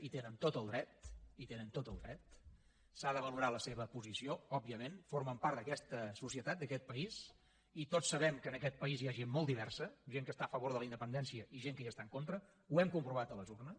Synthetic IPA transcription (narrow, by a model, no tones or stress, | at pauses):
it̪enənt̪ot̪əlˠd̪ɾɛt̪̚it̪enənt̪ot̪əlˠd̪ɾɛt̪̚ | saðəβəluɾaləseβəpuzisioɔbiəmenforməmpaɾrt̪d̪əkɛst̪əsusiət̪at̪̚d̪əkɛt̪̚pəis | it̪osːəβɛmkəːnəkɛt̪̚pəizjaʒenmɔlˠd̪iβɛrsəʒeŋkəst̪aəfəβ̞oɾðələind̪əpənd̪ɛnsiəʔiʒeŋkəast̪aəŋkont̪ɾə | uɛmkumpɾuβ̞at̪ələzurnə